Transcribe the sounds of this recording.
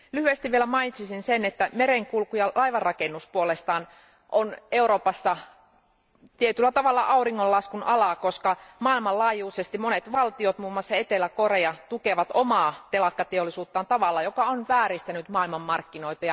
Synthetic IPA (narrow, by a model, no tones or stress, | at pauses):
lyhyest̪iʋʋielæmɑinit̪sisinsenet̪ːæmeɾeŋkulkujɑlʔɑiʋɑrːɑkenːuspuolest̪ɑːn | ʔoneuɾoːpɑsːɑ | t̪iet̪ylːæt̪ɑʋɑlːɑʔɑuriŋːollɑskunʔɑlɑkoskɑmɑˑilmɑllɑːjuːsest̪imonet̪ʋɑlt̪iot̪muːmːɑsːɑet̪elːækoreɑt̪ukeʋɑt̪omɑːt̪elɑkːɑt̪eolːˑisuːt̪ːɑːnt̪ɑʋɑlːɑjokɑonʋæːɾist̪ænyt̪mɑːilmɑmːɑrkːinoit̪ɑjɑ